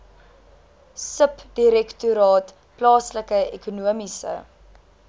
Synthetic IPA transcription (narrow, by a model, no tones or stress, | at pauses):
səpd̥iɾɛktuɾɑːt | plɑːsləkəekunuəmisə̰